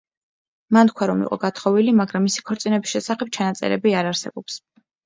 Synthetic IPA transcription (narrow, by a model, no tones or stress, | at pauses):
mant̪̚kʰwaɾɔmḭqʼɔ̰ɡat̪ʰχɔvilimaɡɾamːisi̥kʰɔɾt̪sʼinɛbisʃɛsaχɛp̚t͡ʃʰanat̪sʼɛ̰ɾɛ̰biaɾaɾsɛbɔps